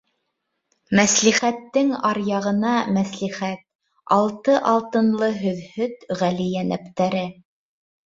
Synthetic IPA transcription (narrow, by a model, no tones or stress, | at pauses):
mæsliχæt̪ːɘŋɑɾjɑʁɤ̆nɑmæsliχæt̪̚ | ɑlˠt̪ɤʔɑlˠt̪ɤ̆nlˠɤɦɵ̆ðhɵt̪ʁælijænæpt̪æɾɘ